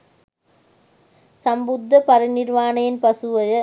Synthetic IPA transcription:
sɐmbʊd̪ːɐpɐɾɐnɪɾʋaːnɐjɪnpɐsɯʋɐjɐ

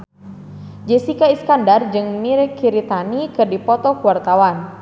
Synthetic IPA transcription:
d͡ʒɛsikaiskandard͡ʒɨŋmiɾɛkʰiɾit̪anikɨrdipɔt̪ɔkuwart̪awan

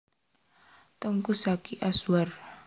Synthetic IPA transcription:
t̪əŋkusakiʔasuwar

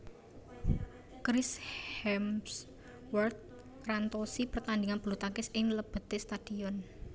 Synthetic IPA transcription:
kɾɪshɛms | wərt̪̚ | rant̪osipərt̪and̪iŋanb̥ulut̪akɪsɪŋləb̥ə̤t̪est̪ad̥iɔn

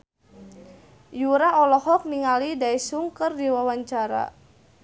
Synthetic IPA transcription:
juɾaɔlɔhɔk̚niŋalidaisuŋkərdiwawaɲt͡ʃaɾa̰

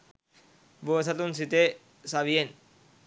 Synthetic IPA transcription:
boesat̪unsit̪e | saβien

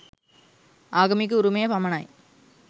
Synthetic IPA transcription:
ʔaːɣɐmɪk̬ːɯʊɾʊmɐjɐpɐmɐnaːj

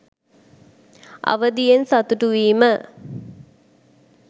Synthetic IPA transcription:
ɐ̰ʋəd̪ijensat̪uʈuʋiːmə

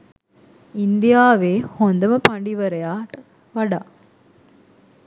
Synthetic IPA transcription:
ind̪ijaːʋeːhond̪ɐmɐpɐɳɖiʋɐɾɐjaːʈ | ʋɐɽaː

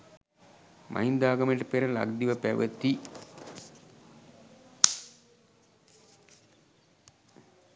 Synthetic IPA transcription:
mʔa̰ind̪aːɡəmeʈəpeɾəla̰ɡd̪iʋəpæʋə̰t̪ːi

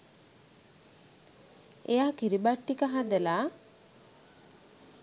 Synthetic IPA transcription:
ejakiɾibaʈːikaɦad̪ela

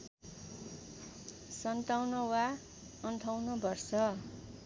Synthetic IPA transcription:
sʌnt̪awnʌwa | ʌnt̪ʰawnʌbʌrsʌ

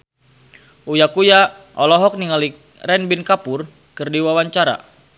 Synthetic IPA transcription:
ujakuja | ʔɔlɔɦɔk̚niŋali | rɛnbinkapʊr | kɨrdiwawaɲt͡ʃaɾa̰

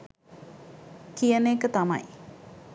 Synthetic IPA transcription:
kijəneːkət̪ama̰j

